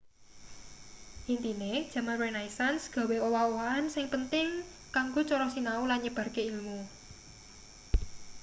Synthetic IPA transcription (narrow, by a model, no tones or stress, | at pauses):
ʔint̪ined̥ʒ̥ä̤manwɛnaisansɡ̥a̤weowawoansɪŋpənt̪ɪŋ | kaŋɡot͡ʃɔɾɔsinaulanɲəb̥a̤rkeilmu